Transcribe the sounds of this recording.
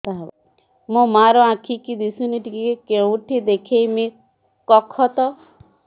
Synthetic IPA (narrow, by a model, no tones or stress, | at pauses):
tab | mũmaɾɔãkʰikid̪isuniʈikikekewũʈʰid̪ekʰejmĩ | kɔkʰɔt̪ɔ